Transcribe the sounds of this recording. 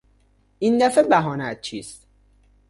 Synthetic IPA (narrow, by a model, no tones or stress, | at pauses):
ʔind̪æfebæɦɒːnæt̪̚t͡ʃʰiːst̪